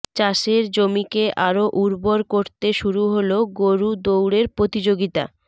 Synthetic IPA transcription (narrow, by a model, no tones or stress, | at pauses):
t͡ɕaʃeɾd͡ʑomikeʔaɾoʔuɾboɾkoɾt̪eʃuɾuɦoloɡoɾud̪owɽeɾpɾot̪id͡ʑoɡit̪a̰